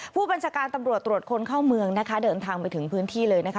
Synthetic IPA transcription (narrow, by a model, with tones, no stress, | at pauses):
pʰuː˥˩ba˧nt͡ɕʰaː˧kaː˧nt̪a˧mɾu˨˩ət̪ːɾu˨˩ət̪̚kʰo˧nkʰaː˥˩wmɯ˧əŋna˦˥kʰa˦˥dɤː˧nt̪ʰaː˧ŋpa˧jt̪ʰɯ˩˦ŋpʰɯː˦˥nt̪ʰiː˥˩lɤː˧jna˦˥kʰ